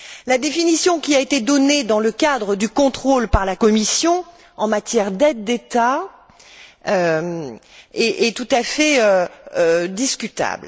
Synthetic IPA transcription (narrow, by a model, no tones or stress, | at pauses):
lad̪efinisjɔ̃kʲiaet̪ed̪ɔned̪ɑ̃ləkad̪ʁəd̪ykɔ̃t̪χolpaʁlakɔmisjɔ̃ | ɑ̃mat̪jɛʁd̪ɛd̪ːet̪a | ø | ɛʔɛt̪ut̪afɛøød̪iskʲyt̪a̰bl